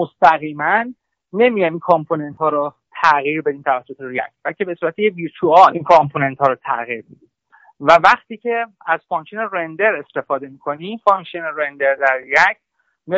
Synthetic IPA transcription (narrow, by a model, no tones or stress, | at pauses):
most̪æɣiːmænː | e̞mijɒjminkʰɔmpʰone̞nt̪hɒːɾo | t̪ʰæɣiːɾbe̞d̪iːmt̪ʰævæsːo̞t̪ʰeɾijæ̰cʰbælcʰe̞be̞suːɾæt̪ʰejeviːɾt͡ʃʰuɒʔinkʰɒmpʰone̞nt̪hɒːɾot̪ʰæ̰ɣiɾbed̪im | vævæχt̪ʰiːcʰe̞ | æzfɒnʃineɾe̞nd̪eɾe̞st̪e̞fɒːd̪e̞mikʰo̞nifɒŋʃineɾend̪eɾd̪æɾijæcʰ | mi